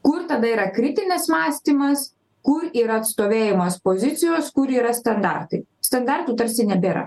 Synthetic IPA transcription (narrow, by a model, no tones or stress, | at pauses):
kʊɾt̪ɐd̪ɐiːɾɐkɾʲɪt̪ʲɪnʲɪsmɑːsʲt̪ʲiːmɐs | kʊɾiːɾɐɐt̪st̪oːʋʲeːjɪmoːspoːzʲɪt̪sʲɪjoːskʊɾiːɾɐsʲt̪ɐnd̪ɑ̰rt̪ɐɪsʲt̪ɐnd̪ɑɾt̪uːt̪ɐɾʲsʲɪnʲɛbʲeːɾɐ̰